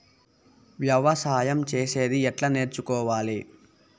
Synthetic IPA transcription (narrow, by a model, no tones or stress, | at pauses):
ʋjɐʋɐsaːjɐmt͡ʃeːse̞ːd̪iɛʈlɐne̞ːɾt͡ʃukɔːʋaːli